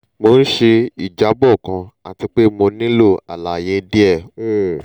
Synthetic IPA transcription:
mo˧n̩˦ʃe˧i˨d͡ʒa˨˦bɔ˦˨kã˧a˨ti˧k͡pe˦mo˧nĩ˦lo˦˨a̰˨la˨je˧˦di˦ɛ˦˨

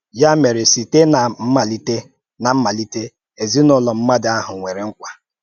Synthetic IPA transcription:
ja˦me˨ɾe˨si˨te˦na˨m̩˦ma˨li˦te˦ | na˨m̩˦ma˨li˦te˦ | e˨zi˦nɔ˦lɔ˨m̩˦ma˦dɪ˨a˦ɦʊ˨ŋʷe˨ɾe˨ŋ̩˦kʷa˨

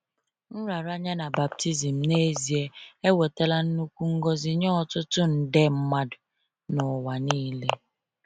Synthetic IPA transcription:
n̩˦ɾa˨ɾa˦ɲa˦na˨ba˨p̚ti˦zi˨m̩˨ne˦zi˨e˦e˦we˨ta˦la˦n̩˦nu˦kʷu˦ŋ̩˦ɡɔ˦zi˨ɲɔ˦ɔ˨tʊ˦tʊ˦n̩˨de˦m̩˦ma˦dʊ˨ | nɔ˨wa˨niː˦le˦

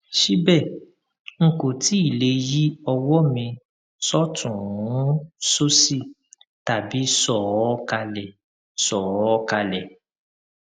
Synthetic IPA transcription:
ʃi˦bɛ˦˨ | ŋ̩˨ko˨ti˨˦i˦˨le˧˦ji˦ɔ˧wɔ˦mĩ˧ | sɔ˦tʰũ˨ũ˨˦so˦si˦˨ | ta˨bi˨˦sɔ˦˨ɔ˦ka˧lɛ˨ | sɔ˨ɔ˦ɔ˧ka˧lɛ˨

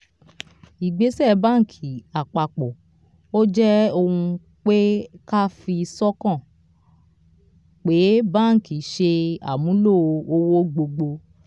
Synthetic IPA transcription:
i˨ɡ͡be˨˦sɛ˦˨bã˦ŋ̩˨kʰi˨a˨k͡pa˨k͡pɔ˨ | o˦d͡ʒɛ˦o˧hũ˧ | k͡pe˦ka˦fi˧sɔ˦kã˦˨ | k͡pe˨˦bã˦˨ki˨ʃe˧a̰˨mũ˨˦lo˦˨o˧o˧wo˦ɡ͡bo˧ɡ͡bo˧

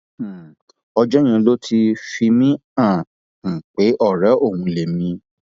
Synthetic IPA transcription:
ɔ˧d͡ʒɔ˦j̃ã˧lo˦tʰi˧fi˧mĩ˦ã˦˨ | ŋ̩˨k͡pe˨˦ʔɔ˦˨ɾɛ˨˦ʔo˦˨hũ˧le˨mĩ˧

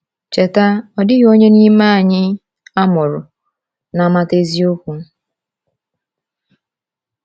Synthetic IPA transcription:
t͡ʃe˨ta˦ɔ˨dɪ˦ɣo˦ɲe˦ni˦ma˦a˨ɲɪ˦ | a˦mʊ˨ɾʊ˨ | na˨ma˦te˦zi˦o˦kʷu˨˦

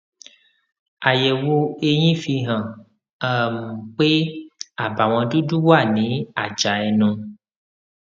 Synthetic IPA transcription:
a˨jɛ˨wo˧e˧ɲĩ˦fi˧ɦã˨ | ə˦˨mũ˨k͡pe˦a˨ba˨w̃ɔ̃˧du˦du˦wa˦˨nĩ˨˦a˨d͡ʒa˨ɛ˨nũ˨

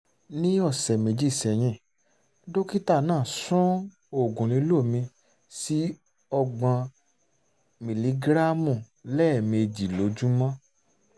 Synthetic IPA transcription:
nĩ˦ɔ˦˨sɛ˨mẽ˨d͡ʒi˦˨sɛ˨j̃ɛ̃˧˨ | do˦ki˦ta˦˨nãː˦˨sũ˦ | o˨ɡũ˨nĩ˨˦lo˦˨mĩ˧ | si˦ | ɔ˧ɡ͡bã˧ | mĩ˨li˨˦ɡɾa˦mũ˦˨ | lɛ˦˨mĩ˧e˧d͡ʒi˨lo˨˦d͡ʒu˦mã˦

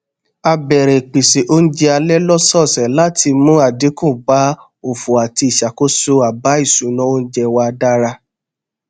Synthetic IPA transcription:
a˧bɛ˨ɾɛ˨k͡pi˨se˨ʔo˦n̩˦d͡ʒɛ˦a˧lɛ˦lɔ˦sɔ˦˨sɛ˨la˦ti˧mũ˦a˦˨di˨˦kũ˦˨ɡ͡ba˦ | o˨fu˨a˨ti˧i˨ʃa˨ko˦so˧a˨ba˨˦i˦˨sũ˨˦nɔ̃˦o˦n̩˦d͡ʒɛ˧wa˧da˦ɾa˧

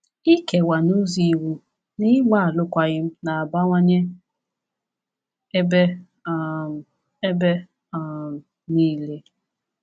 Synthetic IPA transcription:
i˦ke˨wa˨no˦zi˦˨wu˦ | ni˦ɡ͡ba˦a˨lʊ˦kʷa˨ɣɪ˦m̩˦na˨a˨ba˦ŋʷa˦ɲe˦ | e˦be˦˨ | e˦be˦˨ | m˨ | niː˦le˦

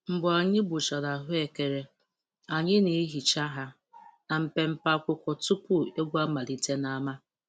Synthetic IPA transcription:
m̩˨bʊ˨a˨ɲɪ˦bʊ˨t͡ʃa˨ɾa˨ɦʊ˦e˨ke˨ɾe˨ | a˨ɲɪ˦ne˨˦ɦi˨t͡ʃa˦ɦa˦ | na˨m̩˨pe˨m̩˦pa˦kʷʊ˦kʷɔ˨tu˦pʊ˦e˦ɡʷa˦ma˨ɾi˦te˦na˨˦ma˦

